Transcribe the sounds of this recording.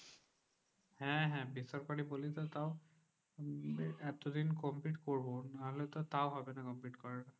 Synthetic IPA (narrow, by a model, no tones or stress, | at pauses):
hɛ̃ɦɛ̃bisɔɹkaɹibolitɔtaʊ | ɛtɔdinkɔmpliʈkoɹbɔnaɦɔlɛtɔtawɦɔbɛnɛkɔmplitkɔɹaɛ